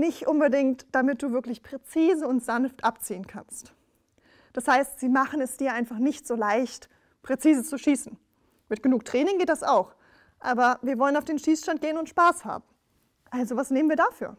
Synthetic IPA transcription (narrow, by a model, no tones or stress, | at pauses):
nɪçtʔʊnbədɪŋktd̥amɪt̚d̥uːvɪɐklɪçpʁ̥et͡siːzəʊntz̥anftʔapt͡siːənkʰanst | d̥ashaɪstz̥iːmaχn̩ɛsd̥iːɐʔaɪnfaχnɪçtz̥oːlaɪçt | pʁ̥et͡siːzət͡suʃiːsn̩ | mɪt̚ɡ̥ənuːk̚tʁ̥ɛːnɪŋɡeːt̚d̥asaʊx | ʔaːbɐviːɐvɔlənaʊfd̥eːnʃiːsʃtant̚ɡ̥eːənʊntʃpaːsha̰ːb̚m̩ | ʔalzovasneːmənviːɐdafyːɐ